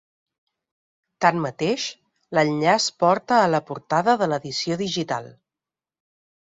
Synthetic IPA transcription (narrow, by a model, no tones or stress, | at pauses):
t̪anmət̪eʃ | ləʎʎaspɔɾt̪əːləpuɾt̪aðəðələðisioðiʒit̪a̰lˠ